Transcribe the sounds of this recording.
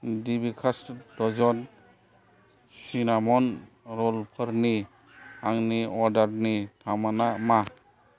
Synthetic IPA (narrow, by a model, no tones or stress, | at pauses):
dibikʰastdɔzɔn | sinamɔn | ɾɔlpʰəɾni | aŋniɔɾdaɾnitʰamanama